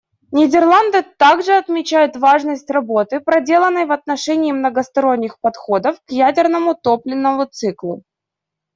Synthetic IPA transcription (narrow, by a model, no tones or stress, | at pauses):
nʲɪdʲɪrlˠand̪ɨt̪aɡʐɨɐt̪mʲɪt͡ɕæjʊt̪vaʐnəsʲtʲrɐbo̞t̪ɨpɾɐdʲe̞lˠənːəjvɐt̪nɐʂɛnʲɪːmnəɡəst̪ɐɾo̞nʲːɪxpɐt̪xo̞d̪əfkjædʲɪrnəmʊt̪o̞plʲɪnːəmʊt̪sɨklˠʊ̰